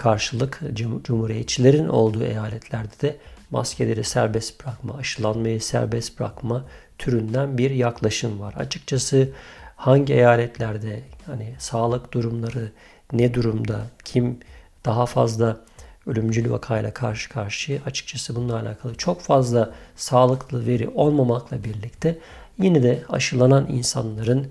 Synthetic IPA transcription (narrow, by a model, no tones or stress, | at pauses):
kʰaɾʃɯlˠɯkd͡ʒumhuːɾijɛt̪t͡ʃʰilʲe̞ɾinʔo̞̰lˠd̪uːe̞̰jaːlʲɛt̪ʰlʲæɾd̪ɛd̪ɛma̰scʰelʲeɾisæɾbɛst̪bɾakma̰ːʃɯlˠanmajɯsæ̰ɾbɛst̪bɾa̰kmat̪ʰyɾynd̪ænbiɾjaklˠaʃɯmvaɾa̰t͡ʃʰɯ̥k̚t͡ʃʰasɯhaɲɟiejaːlʲɛt̪ʰlʲæɾd̪ɛjhanisaːlˠɯkd̪uɾumlˠaɾɯ | nɛd̪uɾumd̪acʰimd̪̥aɦafa̰zlˠaølʲymd͡ʒylʲva̰kʰajlʲˠa̰kʰaɾʃɯ̥kʰaɾʃɯat͡ʃʰɯ̥k̚t͡ʃʰasɯbununːˠalʲa̰ːkʰalˠɯt͡ʃʰo̞kfazlˠasaːlˠɯklˠɯve̞ɾḭʔo̞lˠmamaklˠabiɾlʲict̪ʰɛ | jinɛd̪ɛa̰ʃɯlˠananḭnsanlˠaɾɯn